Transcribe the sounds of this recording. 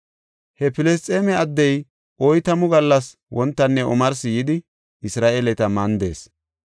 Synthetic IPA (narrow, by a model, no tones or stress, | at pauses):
hɛpɪlɛs̬t̪ʼeːmɛɐd̪ːɛj | ʔɔjt̪ɐmʊɡɐlːɐs | wɔnt̪ːɐnːɛʔɔmɐɾsɪjɪd̪ɪ | ɪsɾaːʔelɛt̪ɐmɐnd̪e̞̰ːs